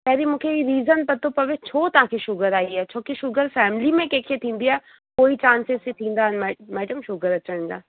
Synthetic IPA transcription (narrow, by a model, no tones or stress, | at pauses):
p̪ɛːɾimʊ̃kʰeiɾiːzənpɐt̪opɐʋet͡ʃʰoːt̪ãkʰeʃʊɡəɾaːiɦɛt͡ʃʰoːkeʃʊɡəɾfɛːmlimẽkeːkʰet̪ʰĩːnd̪iɦɛː | koːit͡ʃãːnseset̪ʰĩːnd̪anmɛːmɛːɖəmʃʊɡəɾɐt͡ʃənd͡ʒa̰ː